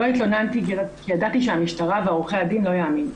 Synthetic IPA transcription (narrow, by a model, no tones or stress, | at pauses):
oit̪lo̞nant̪iɡiʁakijadat̪iʃeamiʃtaʁaveaʁuχejadinlo̞jaːmin